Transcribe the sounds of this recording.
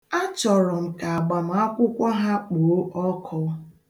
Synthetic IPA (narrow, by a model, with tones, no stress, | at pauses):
a˦t͡ʃɔ˨ɾɔ˨m̩˨ka˨a˨ɡ͡ba˨m̩˨˦a˦kʷʊ˦kʷɔ˦ɦa˦k͡poː˨˦ʔɔ˦kʰɔ˦